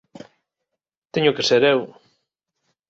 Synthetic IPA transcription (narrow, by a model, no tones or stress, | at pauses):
t̪eɲʊkeseɾew